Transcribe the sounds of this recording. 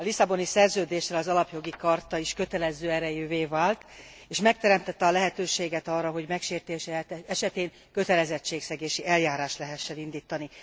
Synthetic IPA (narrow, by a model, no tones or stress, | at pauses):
ɒlisɒbo̞nisɛrzøːd̪eːʃrɛɒzɒlɒpjo̞ɡikɒrt̪ɒiʃkø̞t̪ɛlɛzøːɛɾɛjøːveːvaːlt̪ | eːʃmɛk̚t̪ɛɾɛmt̪ɛt̪ːɛɒlɛɦɛt̪øːʃeːɡɛt̪ɒːrːɒɦo̞ɟmɛkʃeːrt̪eːʃɛɛʃɛt̪eːŋ | kø̞t̪ɛlɛzɛt͡ʃːeːksɛɡeːʃiʔɛljaːɾaːʃt̪lɛɦɛʃːɛnind̪iːt̪ːɒni